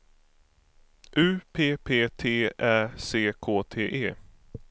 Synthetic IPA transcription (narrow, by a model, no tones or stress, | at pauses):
ʔʉ̟ːpʰeːpʰeːt̪ʰeːæːseːkʰoːt̪ʰeːʔeː